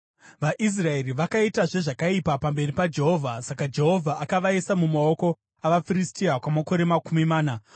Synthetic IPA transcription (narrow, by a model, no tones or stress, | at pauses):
ʋaʔis̬rae̞riʋakaitaʐe̞ʐakaipapambe̞ripad͡ʒe̞ɦo̞ːvʱasakad͡ʒe̞ɦo̞vʱaʔakaʋaisamumao̞ko̞ | aʋafiɾistiakwamako̞ɾe̞makumimaːna